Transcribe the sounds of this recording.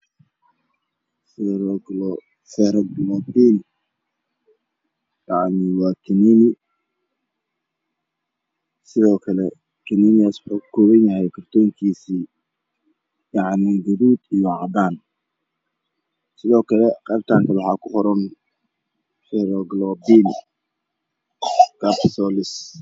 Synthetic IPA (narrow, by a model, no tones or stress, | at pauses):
sɛɾɔɡlɔ | sɛɾɡlɔd̪iːn | jɑʕniwɑːkʰɪniːnɪ | sɪðɔːkʰɐlɛ | kʰɪniːnɪaswʊħuːkʰɔːβɐnjɐhɛjkʰɐrt̪ʰɔːŋkʰiːsiː | jɑʕniɡɐβuːd̪ijɔʕɑd̪aːn | sɪðɔːkʰɐlɛqɛːɾt̪ʰaːŋkʰɐlwɑħɑːkʰʊhɔɾɔn | fɛɾɔɡlɔbiːn | kʰapsɔːlɪs